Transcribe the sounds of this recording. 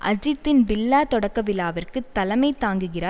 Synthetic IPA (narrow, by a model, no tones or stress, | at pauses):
ʔɐd͡ʒɪt̪ːɪnbɪlːaːt̪ɔɽɐkːɐʋɪlːaːʋɐrkɯt̪ːɐlɐmɐɪt̪ːaːŋɡɯɣɪraː